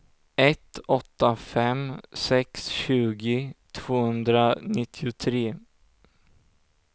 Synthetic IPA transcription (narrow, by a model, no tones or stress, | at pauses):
ɛt̪ɔt̪ːafɛmsɛksɕʉ̟ːɡɪt̪ʰv̥oːhɵnd̪ɾanɪt̪ʰːɪʊt̪ʰɾeː